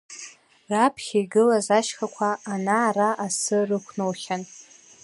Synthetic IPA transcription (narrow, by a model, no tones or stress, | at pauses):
rapʰχʲijɡɨlazaʃχakʷʰaːnaːraʔasɨrɨkʷʰnowχʲan